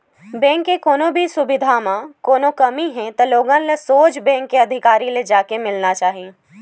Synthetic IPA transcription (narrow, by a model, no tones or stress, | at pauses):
bɛ̃ːŋkːekoːnõbʱisʊbɪd̪ʱamãkoːnokɐmiɦɛ̃t̪ɐloːɡãlɐsoːt͡ʃbɛ̃ːŋkːeɐd̪ʱɪkaːɾiled͡ʒaːkemɪlnat͡ʃaːɦieː